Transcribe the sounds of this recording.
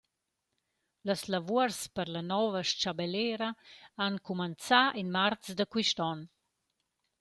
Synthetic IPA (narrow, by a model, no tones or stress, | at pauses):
ləslavuəɾspəɾlanɔvəʃt͡ʃabeleɾaankumənt͡saʔinmart͡sd̪əkwiʃtɔn